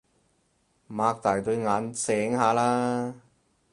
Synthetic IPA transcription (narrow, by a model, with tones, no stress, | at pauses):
maː˧k̚t̪aː˨˩jt̪ɵ˧ɥŋaː˨˧nsɛː˨˥ŋhaː˨˧laː˥